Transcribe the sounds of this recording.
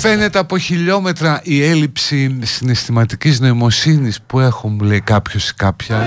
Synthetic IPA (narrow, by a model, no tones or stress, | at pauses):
fe̞ne̞t̪eɐpo̞çiʎo̞me̞t̪ɾɐʔie̞lipsisine̞st̪imɐt̪icizno̞imo̞sinispue̞xomulejkɐpço̞se̥kɐpçɐ